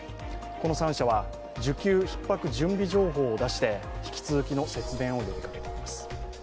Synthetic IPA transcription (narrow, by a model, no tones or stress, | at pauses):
ko̞no̞sãɰ̃ɕaβa | d͡ʑɨkʲɨːçi̥pːakɯ̟ʑɨ̃mbʲiʑo̞ːɦo̞ːd̪aɕi̥t̪e̞çi̥kʲi̥t͡sɨzɨkʲino̞se̞t͡sɨd̪ẽ̞ɰ̃o̞jo̞bʲikake̞t̪e̞imasɨ̥